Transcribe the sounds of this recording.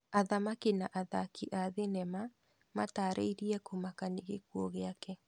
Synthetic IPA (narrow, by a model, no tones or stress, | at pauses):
aðamakinaʔaðakiʔaðenɛma | mataːɾʔḛiɾiɛkomakaniɣekwɔɣeakɛ